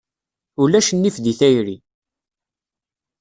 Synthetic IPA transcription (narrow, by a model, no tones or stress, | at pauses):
ulæʃnːifðiθæjɾi